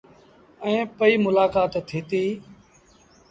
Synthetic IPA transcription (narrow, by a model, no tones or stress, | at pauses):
ɛ̃ːpəiːmʊlaːkaːt̪ʰːiːt̪iː